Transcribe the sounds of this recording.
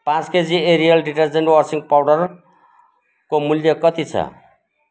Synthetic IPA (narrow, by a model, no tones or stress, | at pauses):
pãt͡sked͡zieɾijʌlɖiʈʌrd͡zeɳʈwʌrsiŋpawɖʌr | komuljokʌt̪it͡sʰʌ̰